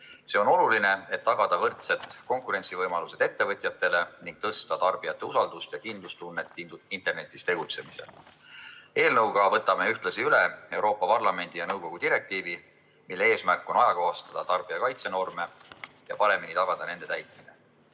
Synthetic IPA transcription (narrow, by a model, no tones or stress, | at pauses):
se̞o̞no̞luline̞e̞t̪ːɑɡ̥ɑd̪̥ɑvɤrt̪se̞t̪ko̞ŋkuɾe̞nʲt̪sivɤjmɑluse̞d̪̥e̞t̪ːe̞vɤt̪ʲˑjɑt̪ːˑe̞le̞niŋɡ̥̚t̪ɤst̪ɑt̪ɑrb̥ijɑt̪ˑːe̞usɑld̪̥ust̪jɑkind̪lust̪unːet̪ˑːiint̪e̞rne̞t̪ːˑist̪e̞ɡ̥ut̪se̞mise̞̰l | e̞ːlnɤwɡ̥ɑvɤt̪ːˑɑmeyht̪lɑsiylee̞wɾo̞ːpːˑɑpɑrlɑme̞nd̪̥ijɑnɤwko̞ɡ̥ud̪̥iɾe̞k̚t̪iːvi | milːee̞ːsmærkːˑo̞nɑjɑko̞ːst̪ɑd̪̥ɑt̪ɑrb̥ijɑkɑjt̪se̞no̞rme̞jɑpɑɾe̞minit̪ɑɡ̥ɑd̪̥ɑne̞nd̪e̞t̪æjt̪ˑmine